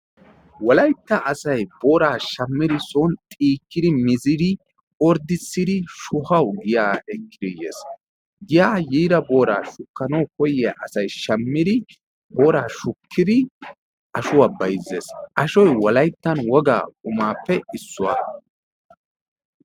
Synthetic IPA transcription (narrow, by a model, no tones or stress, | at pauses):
wɔlɐjt̪ːɐʔɐsɐjboːɾaːʃɐmːɪd̪ɪsɔnt̪ʼiːkːɪd̪ɪmɪzɪd̪ɪ | ɔɾd̪ɪsːɪd̪ɪʃʊhɐwɡɪjaːɛkːɪɾijḛːs | ɡɪjaːjiːɾɐbo̞ːɾa̰ːʃʊkːɐnɐwkɔjɪa̰ʔɐsɐjʃɐmːɪd̪ɪ | b̥oːɾaːʃʊkʰːɪd̪ɪ | ʔɐʃʊwaːbɐjzḛːsʔɐʃɔjwɔlɐjt̪ːɐnwɔɡa̰ːkʼʊmaːpːɛɪsːʊwa̰ː